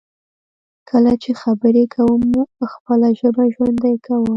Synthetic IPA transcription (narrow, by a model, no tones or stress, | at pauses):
kʰəlat͡ʃexabəɾekʰawəmːuxpəlaʒəbaʒwand̪ajkʰawəm